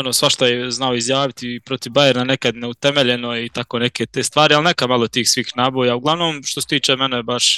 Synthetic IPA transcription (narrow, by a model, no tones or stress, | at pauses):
onoːsʋaʃt̪ajeznaoizjaːʋit̪ipɾot̪ivbajeɾnanekad̪neut̪eme̞ʎe̞no̞it̪akoneket̪eːst̪ʋaːɾialnekamalˠot̪iːxsʋiːxnaːboːjauɡlˠaʋno̞ːmʃt̪oset̪iːt͡ʃemɛnebaʃ